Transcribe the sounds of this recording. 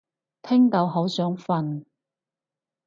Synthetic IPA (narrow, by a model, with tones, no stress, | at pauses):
t̪ʰɪ˥ŋt̪ɐ˨˧wɦɐ˨˥wsœː˨˥ŋfɐ˨˧n